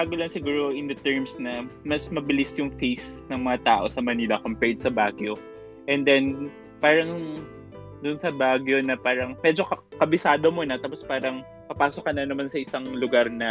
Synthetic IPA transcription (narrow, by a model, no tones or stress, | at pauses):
baːɡolɐnsɪɡuːɾo̞ʔɪnd̪ɐt̪ɛɹmsnɐmɐsmɐbɪlisjʊŋfejsnɐŋmɐŋɐt̪aːʔo̞sɐmɐniːlɐkompɛt̪̚sɐbaːɡjo̞ | ʔɛnd̪ɛn | paːɾɐŋ | d̪ʊnsɐbaːɡjo̞nɐpaːɾɐŋmɛd͡ʒo̞kɐkɐbɪsaːd̪omonɐt̪aːpospaːɾɐŋ | pɐpaːsokɐnɐnɐmansɐʔɪsaŋlʊɡaɾnɐ